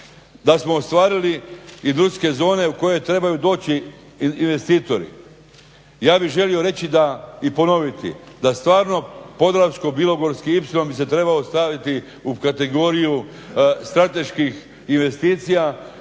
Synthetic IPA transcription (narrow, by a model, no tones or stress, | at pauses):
d̪asmo̞ːst̪ʋaːɾiliid̪ɾuske̞zo̞ːne̞uko̞jo̞jt̪ɾe̞bajud̪o̞ːt͡ɕiː | nʋe̞st̪iːt̪o̞ɾḭ | jaːbiɣʒe̞lio̞ɾe̞t͡ɕid̪aipo̞no̞ʋit̪ḭd̪ast̪ʋaːɾno̞po̞d̪ɾawsko̞bilˠo̞ɡo̞ɾskiipsilo̞mbise̞t̪ɾe̞baost̪aʋit̪i | ukat̪e̞ɡo̞ɾiju | st̪ɾat̪e̞ʃkix | inʋe̞st̪iːt̪sija